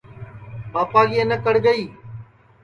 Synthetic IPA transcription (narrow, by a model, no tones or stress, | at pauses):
paːpaːɡienəkəɽɡəiː